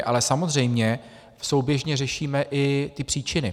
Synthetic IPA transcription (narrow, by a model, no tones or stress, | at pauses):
ʔa̰lɛsamozr̝ɛjmɲɛ | so̞wbjɛʒɲɛrɛʃiːmɛʔɪt̪ɪpr̥iːt͡ʃɪnɪ